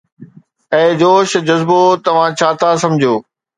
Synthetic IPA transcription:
ɛ̃ːd͡ʑoːʃd͡ʑɐzbot̪ɐʋ̤ãt͡ɕʰaːt̪ʰasɐ̃md͡ʑʱijoː

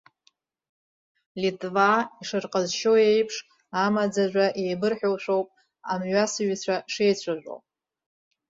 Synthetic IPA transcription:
litʼvaiʂɨrqʼəzʃoejpʰʂ | amad͡zaʒʷaʔejbɨrħᶣowʃʷᶣo̞wpʼ | a̰mɥʷasɨɥt͡ɕʷʰaʂejt͡ɕʷʰaʒᶣʷo̰wpʼ

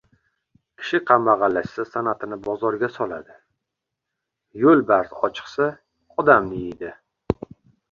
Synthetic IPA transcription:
kʲʰɪ̥ʃɪqʰɑmːaʁɑlːaʃsasanat̪ʰɪnɪbɒzɒɾɡʲasɒlad̪ɪ | jolbaɾzɒt͡ʃʰɨ̥qsa | ɒd̪amnɪid̪ɪ

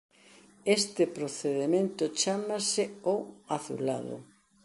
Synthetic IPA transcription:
est̪ɪpɾoθeðemẽnt̪ʊt͡ʃamasɪoaθṵla̰ðʊ̰

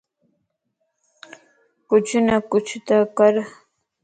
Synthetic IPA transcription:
kʊt͡ʃʊnakʊt͡ʃʊt̪akaɾ

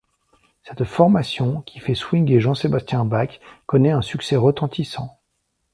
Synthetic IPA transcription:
sɛt̪fɔʁmasjɔ̃kʲʰi̥fɛswiŋd̪eʒɑ̃sebast̪jɛ̃bakːɔnɛɛ̃syksɛʁət̪ɑ̃t̪isɑ̃

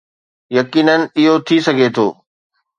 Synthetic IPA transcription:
jɐkiːnənɪ̆ɪɦot̪ʰisɐɡʱet̪ʰo̰ː

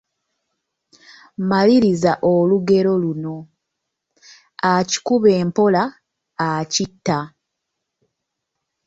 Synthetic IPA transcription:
maliɾizaʔoluɡe̞ɾo̞luno̞ | aci̥kuβe̞ːmpo̞laː | citːa

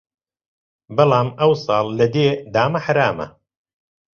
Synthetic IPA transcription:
bɑlaːmɐwsɑːlˠːɐd̪eːd̪aːmɐħaɾaːmɐ̰

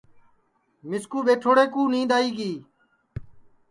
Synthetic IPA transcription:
mɪskuːɓeːʈʰoːɽeːkuːnĩːd̪aːiːɡiː

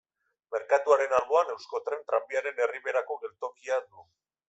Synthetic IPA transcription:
me̞ɾkat̪uaɾe̞nalβo̞ane̞wsko̞t̪ɾe̞nt̪ɾambiaɾe̞ne̞riβe̞ɾako̞ɣe̞lt̪o̞kiad̪u

